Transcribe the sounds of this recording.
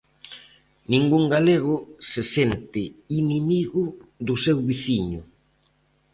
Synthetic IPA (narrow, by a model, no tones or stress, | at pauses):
nĩŋɡuŋɡaleɣʊsesent̪ɪinimiɣʊðʊsewβiθiɲʊ